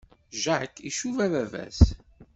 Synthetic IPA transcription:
ʒaʕəkːiʃuvævævæ̰s

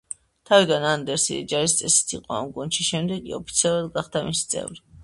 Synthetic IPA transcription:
t̪ʰavid̪anand̪ɛɾsid̪ɛ̰d͡ʒaɾist̪sʼɛsi̥t̪ʰiqʼɔa̰mɡunʃiʃɛmd̪ɛɡḭɔ̰pʰit̪sʰialˠuɾˠad̪ɡaχd̪amisi̥t̪sʼɛ̰vɾi

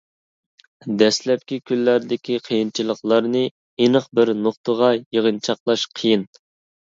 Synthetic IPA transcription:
d̪ɛslɛp̚kʲikʲʰylːæɾd̪ɪkʲʰiqʰəjint͡ʃʰilˠəχlˠɑɾnɨ | inəqbɪɾnoχt̪əʁɑjeʁənt͡ʃʰɑqlˠɑʃqʰijin

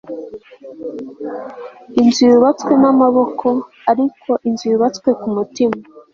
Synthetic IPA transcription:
inziɾuβat͡skwe̞namaβo̞kʰo̞ | aɾikʰo̞ʔinziuβat͡skwe̞kumutima

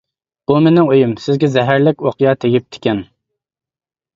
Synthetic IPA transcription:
b̥umenɪŋøjymsɪzɡʲɛzɛɦæɾlɪkʲoqjɑːt̪ʰeɡʲip̚t̪ʰɪ̥kʲɛn

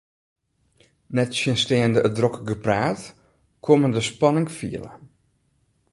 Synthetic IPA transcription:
nɛtsjənsteəndəʔədrokɡəpraːt | kʰoməndəspɑnɪŋfḭələ̰

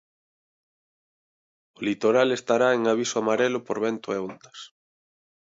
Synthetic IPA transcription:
ʊlit̪oɾalest̪aɾaeŋaβ̞isʊamaɾelʊpoɾβɛnt̪ʊeond̪ɐs

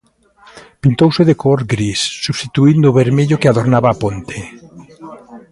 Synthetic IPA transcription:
pint̪owseðekooɾɡɾisːuβst̪it̪uind̪ʊβeɾmeʎokeaðoɾnaβaːpont̪e

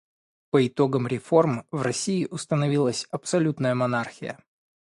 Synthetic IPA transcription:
pəɪt̪o̞ɡəmɾʲɪfo̞rmvrɐsʲiɪʔʊst̪ənɐvʲilˠəsʲɐpsɐlʲut̪nəjəmɐnarxʲɪjə̰

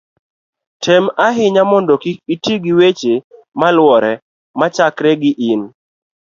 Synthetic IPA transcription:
tʰɛmaɦɪɲamɔndɔkiitiɡɪwet͡ʃe | malwɔɾɛ | mat͡ʃakɾɛɡɪʔɪn

